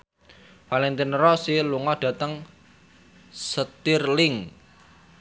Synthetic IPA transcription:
falɛnt̪ɪnrɔsiluŋɔɖ̥ä̤t̪əŋ | sət̪irlɪŋ

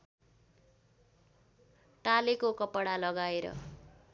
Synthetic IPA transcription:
ʈalekokʌpʌɽalʌɡaeɾʌ̰

